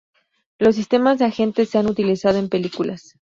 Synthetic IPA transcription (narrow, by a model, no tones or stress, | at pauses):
lo̞s̬ːist̪e̞mazðeaxe̞nt̪e̞sːe̞anut̪ilisaðo̞e̞mpe̞likulas